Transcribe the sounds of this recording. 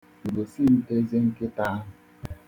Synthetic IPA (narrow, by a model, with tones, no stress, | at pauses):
u˨ɾo˨si˦˨n̩˦te˦ze˦ŋ̩˦ke˦ta˦a˦ɦʊ˨